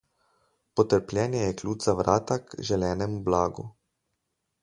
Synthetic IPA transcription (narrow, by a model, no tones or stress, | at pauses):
pɔt̪əɾplʲjɛːnjɛjɛklʲuːtz̥aʋɾʔaːt̪akʒɛlɛːnɛmublaːɡṵ